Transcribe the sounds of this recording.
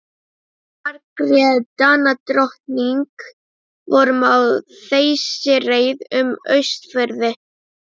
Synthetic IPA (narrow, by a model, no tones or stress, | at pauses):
aɾkɾɛðt̪aːnat̪ɾɔht̪niŋk | vɔɾʏmaw | θejsɪreːjðʏmœ̰ɥst̪fœɾðɪ